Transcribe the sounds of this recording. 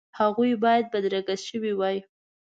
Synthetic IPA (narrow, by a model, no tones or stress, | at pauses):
haɣujbɑjad̪̚bad̪ɾaɡaʃəwiwɑj